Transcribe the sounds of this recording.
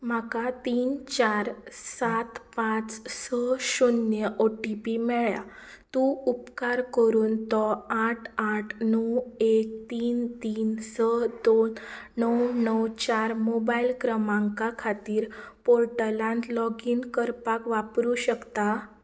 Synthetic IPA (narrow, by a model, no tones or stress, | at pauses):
m̤akat̪iːnt͡ɕaɾsat̪pãt͡ssəɕunjəʔoʈipimɛɭja̰ | t̪ũupkaɾkəɾuːnt̪ɔaʈʰaʈʰnəwek̚t̪iːnt̪iːnsəd̪onːəwnəwt͡ɕaɾmobailkɾəmãŋkakʰat̪iːɾpoɾʈəlãnt̪lɔɡiːnkəɾpakʋapɾuɕəkt̪a